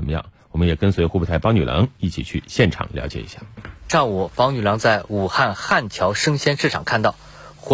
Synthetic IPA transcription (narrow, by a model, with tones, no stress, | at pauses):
ə˧nmə˧jɑ̰˥˩ŋwwɔ˨˩mə˦njɛ˨˩kə˥nswe˧˥ɪxu˥pʰɛ˥˩t̪ʰa˥˩ɪpɑ˥ŋny˨˩lɑ̰˧˥ŋi˥˩t͡ɕʰḭ˨˩t͡ɕʰy˥˧ɕjɛ˥˩nʈ͡ʂʰɑ̰˨˩ŋljɑ˧˥ʊt͡ɕjɛ̰˨˩ḭ˧˥ɕja˥˩ʂɑ˥˩u˨˩fɑ˧˥ŋny˨˩lɑ˧˥ŋt͡sa˥˩ɪu˨˩xa˥˧nxa˥˩nt͡ɕʰjɑ˧˥ʊʂɤ˥ŋɕjɛ˥nʂɻ̩˥˩ʈ͡ʂʰɑ˨˩ŋkʰa˥˧nt̪ɑ˥˩ʊ | x